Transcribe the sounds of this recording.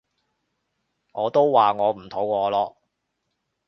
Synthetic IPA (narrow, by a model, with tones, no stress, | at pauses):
ŋɔː˨˧t̪o˥wwaː˨ŋɔː˨˧m̩˨˩t̪ʰo˨˥wkɔː˨˧lɔː˧